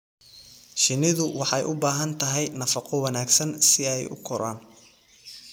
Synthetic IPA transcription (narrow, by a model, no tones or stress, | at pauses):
ʃɪnɪðʊwɑħɑjʔʊbaːɦɐnt̪ʰɐɦɛjnɐfɑqɔwɑnaːɡsɐnsɪɛjʊ̰kʰɔɾa̰ːn